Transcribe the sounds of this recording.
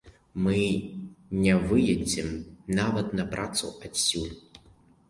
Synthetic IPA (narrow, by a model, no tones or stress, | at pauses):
mɨ | nʲɛvɨjɐd͡zʲɛmnavɐt̪nɐpɾʔat̪sṵʔɐtʲsʲulʲ